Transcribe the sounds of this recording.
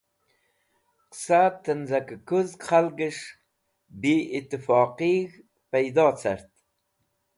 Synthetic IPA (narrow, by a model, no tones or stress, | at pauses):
qsat̪ənzakəkuzqʰalɡəʂ | biit̪ːəfɑːqiɣ | pajd̪ɑːt͡sa̰ɾt̪